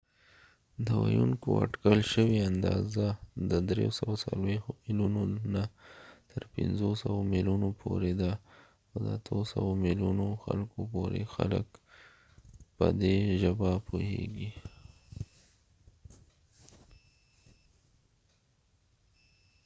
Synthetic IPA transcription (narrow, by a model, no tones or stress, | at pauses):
d̪əwajuŋkoa̰ʈkəlʃəweand̪ɑzad̪əd̪ɾeosawasalwexmilunonat̪ʰəɾpɪnzosəwomiljunopʰoɾed̪a | ad̪əat̪ʰəsəwomiljunoxalkopoɾexalək | pəd̪eʒəbapʰoheɡi